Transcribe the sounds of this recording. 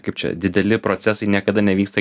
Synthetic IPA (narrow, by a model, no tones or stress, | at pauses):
kɐɪp̚t͡ʃʲɛ̰d̪ʲɪd̪ʲɛlʲɪpɾot̪sʲæsɐɪnʲiɛkɐd̪ɐnʲɛʋʲiːkst̪ɐ